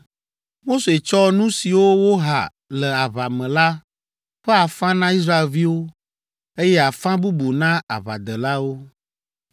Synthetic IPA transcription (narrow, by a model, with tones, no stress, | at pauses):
mo˦se˨t͡ʃɔ˦nũ˦si˨wo˦wo˦ɦa̰˨ | lɛ˨a˨βa˨mɛ̃˨la˦ | ɸɛ˦a˨fã˦nã˦i˦s̬ɾa˦e˨lvi˦wo˦ | e˦jɛ˦a˨fã˦bu˦bu˨nã˦a̰˨βa˨d̪ɛ˨la˦wo˦